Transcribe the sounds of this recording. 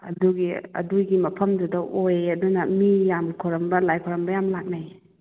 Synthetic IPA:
ɐ̰duɡiɐ̰duɡimɐpʰɐmdudɐʔojɐdunɐmijamkʰɔɾɐmbɐlajkʰɔɾɐmbɐjamlak̚naj

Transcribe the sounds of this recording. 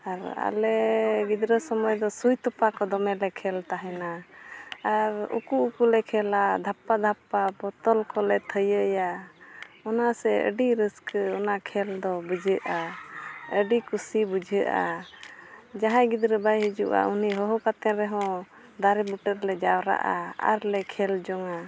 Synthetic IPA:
aɾa̰lɛɡid̪ɾəsɔmɔjd̪ɔsujt̪ɔpakɔd̪ɔmɛlɛkʰɛlt̪aɦɛna | aɾṵkuukulɛkʰɛlad̪ʱapːad̪ʱapːabɔt̪ɔlkɔlɛt̪ʰəjəja | ɔnasɛə̰ɖiɾəskɔnakʰɛld̪ɔbəd͡ʒʱəʔa | əɖikusibəd͡ʒʱəʔa̰ | d͡ʒaɦãɡid̪ɾɛbajɦəd͡ʒuʔa̰uniɦɔɦɔkat̪ɛ̃ɾɛɦɔ̃ | d̪aɾɛbuʈəɾlɛd͡ʒawɾa̰ʔa̰a̰ɾlɛkʰɛld͡ʒɔŋa

